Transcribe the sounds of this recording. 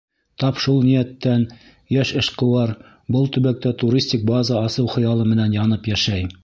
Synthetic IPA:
t̪ɑpʃulˠnijæt̪ːæn | jæʃɘ̆ʃqɤ̆wɑɾ | bɤlˠt̪ɵ̆βæk̚t̪æt̪uɾʲisʲtʲik̚bazɑɑsɤwχɤ̆jɑlˠɤmɘ̆nænjɑnɤpjæʃæj

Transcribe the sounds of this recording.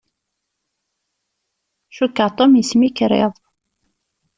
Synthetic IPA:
ʃukːəʁt̪ˤomjəsmikɾḛðˤ

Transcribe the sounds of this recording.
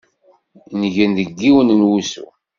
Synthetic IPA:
nʝənðəɡːiwənənwusṵ

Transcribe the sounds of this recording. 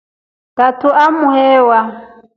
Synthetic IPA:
tatʰʊʔamʊhɛːwa

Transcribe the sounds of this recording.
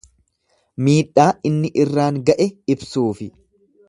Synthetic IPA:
miːᶑːaːɪnːɪʔɪrːaːŋɡɐʔɛɪbsuːfɪ

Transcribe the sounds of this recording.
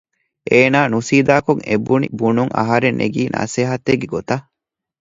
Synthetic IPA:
ʔeːnaːnusiːd̪aːkoŋḛbunḭbunuŋʔɐ̰ɦɐɾenʔḛɡiːnʔa̰seɦɐt̪ːeɡeɡot̪ɐ

